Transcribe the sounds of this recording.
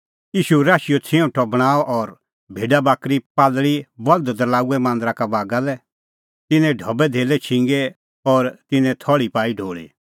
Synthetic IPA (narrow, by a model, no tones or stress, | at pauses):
iːʃuɾaːʃijot͡sʰẽũʈʰɔbɽ̃aːɔʔɔɾ | bʱeːɖabaːkɾipaːlɭibɐld̪d̪əlaːuɛmãːnd̪ɾakabaːɡalɛ | t̪ɪnɛ̃ɖʱɔbɛd̪ʱeːlɛt͡ʃʰɪ̃ŋɡɛ | ɔɾt̪ɪnɛ̃t̪ʰɔɭipaːiɖʱoːɭḭ